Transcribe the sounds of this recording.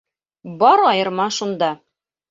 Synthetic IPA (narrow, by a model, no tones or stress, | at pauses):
bɒɾɒjɤ̆ɾmɑʃund̪ɑ